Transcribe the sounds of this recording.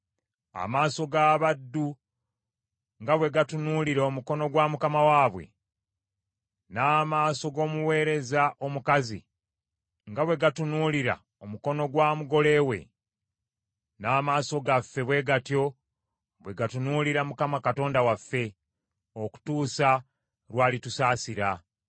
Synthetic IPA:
a̰maːso̞ɡaːβadːu | ŋɡaβwe̞ɡatunuːliɾeomuko̞no̞ɡwaːmukamawaːβwe̞̰ | naːmaːso̞ɡo̞ːmuwe̞ːɾe̞zaʔo̞mukazḭ | ŋɡaβwe̞ɡatunuliɾa̰ | omuko̞no̞ɡwaːmuɡo̞le̞ːwe̞̰ | naːmaːso̞ɡafːe̞βwe̞ːɡatjo̞ | βwe̞ɡatunuːliɾamukamakato̞ːndawafːe̞ | o̞ku̥tuːsa | ɾwaːlitusaːsiɾa

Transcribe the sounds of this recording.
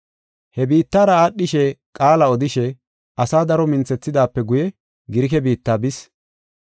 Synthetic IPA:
hɛbiːt̪ːaːɾɐaːɗːɪʃɛkʼaːlɐɔd̪ɪʃɛ | ɐsaːd̪ɐɾɔmɪnt͡sɛt͡sːɪd̪aːpːɛɡʊjɛ | ɡɪɾɪkɛbiːt̪ːaːbɪs

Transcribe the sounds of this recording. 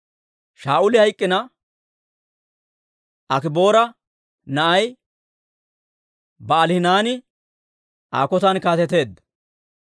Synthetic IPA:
ʃaːʔʊlɪhɐjkʼːɪnɐ | ʔɐkɪbo̞ːɾɐ | nɐʔɐj | bɐːlhɪnaːnɪ | ʔa̰ːkɔt̪ɐnkaːt̪ɛt̪e̞ːd̪

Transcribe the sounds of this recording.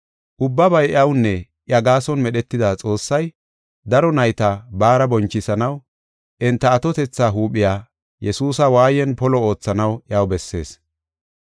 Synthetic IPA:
ʔʊbːɐbɐjʔɐwnːɛ | ʔɪɐɡaːsɔnmɛɗɛt̪ːɪd̪at͡sʼo̞ːsːɐj | d̪ɐɾɔnɐjt̪ɐbaːɾɐbɔnt͡ʃːɪsɐnɐw | ʔɪnt̪ːɐːt̪ɔt̪ɛt͡sːaːɦuːɓɪjaː | jɛsuːsɐwaːjɛnpɔlɔo̞ːt͡sːɐnɐwʔɪɐwbɛsːe̞̰ːs

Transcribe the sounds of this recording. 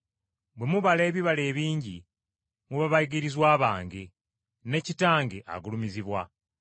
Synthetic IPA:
bwe̞muβale̞ːβiβale̞ːβiːɲɟi | muβaβaiɡiɾizwaːβaːŋɡe | ne̞citaːŋɡeʔa̰ɡulumiziβwa

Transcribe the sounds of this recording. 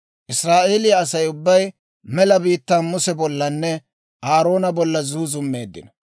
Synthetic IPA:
ʔɪsɾaːʔe̞ːlɪjɐːsɐjʊbːɐj | mɛlɐbiːt̪ːaːnmʊsɛbɔlːɐnːɛ | ʔaːɾo̞ːnɐbɔlːɐzuːzʊmːe̞ːd̪ːɪ̰nɐ

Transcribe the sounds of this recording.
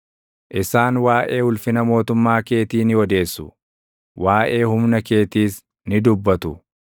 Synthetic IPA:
ʔɪsaːnwaːʔe̞ːhʊlfɪnɐmo̞ːt̪ʊmːaːke̞ːt̪iːnɪwɔd̪e̞ːsːʊ | wʔaːʔe̞ːhʊmnɐke̞ːt̪iːs | nɪd̪ʊbːɐt̪ʊ

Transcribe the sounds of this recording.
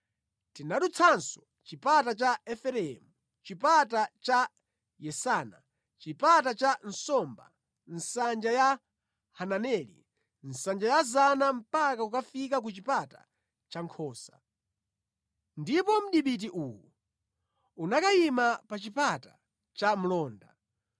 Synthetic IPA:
tinaɗut͡sʰansɔ̥ | t͡ʃipatat͡ʃaɛfɛɾɛɛmu | t͡ʃipatat͡ʃa | jɛsaːna | t͡ʃipatat͡ʃan̩sɔmba̰ | n̩sand͡ʒaja | hananɛlḭ | n̩sand͡ʒajazanam̩pakaukafikak̬ut͡ʃipata̰ | t͡ʃaŋkʰɔːsḁ | ndipɔm̩ɗiɓit̬iʔuːwu | unakajimapat͡ʃipata | t͡ʃam̩lɔːnda

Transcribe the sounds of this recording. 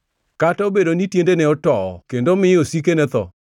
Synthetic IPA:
kataobedonitjendenɛɔtɔɔ̰kendomɪosik̬enɛt̪ɔ̰

